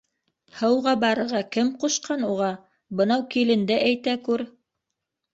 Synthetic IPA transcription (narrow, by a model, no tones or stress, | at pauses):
hɤ̆wʁɑbɑɾɤ̆ʁɑkɘmquʃqɑnuʁɑ | bɤ̆nɑwkilɘ̆nd̪ɘʔæjt̪ækʉɾ